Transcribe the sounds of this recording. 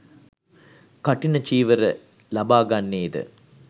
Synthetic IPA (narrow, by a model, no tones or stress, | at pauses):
kaʈinət͡ʃiːʋəɾə | lɐbaːɡanːeːd̪ə̰